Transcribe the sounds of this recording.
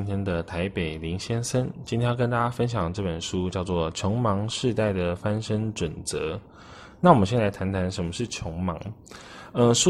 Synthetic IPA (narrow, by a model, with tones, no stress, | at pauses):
nt̪ʰjɛ˥nd̪ə˨t̪ʰa˧˦ɪpe˨˩ɪli˧˥ŋɕjɛ˥nsə˥nt͡ɕi˥jɛ̃˥jkə˥nt̪a˥t͡ɕa˥fə˦˥nɕ̬jɑ˨˩ŋʈ͡ʂɤ˥˩pə˨˩nʂu˦˥t͡ɕjɑ˥˧ʊt͡swɔ˥˩t͡ɕʰjɔ˧˥ŋmɑ˧˥ŋʂɻ̩˥˧t̪a˥˩ɪd̪ə˩fa˥nʂə˥nʈ͡ʂwə˨˩nt͡sɤ˧˥˦ | na˥˩wmə˦ɕjɛ˥˩la˧˥ɪt̪ʰa˧˥nt̪ʰa˧˥nʂə˧˥nmə˧ʂɻ̩˥˩t͡ɕʰjɔ˧˥ŋmɑ̰˧˥ŋ | ə˧ʂu˥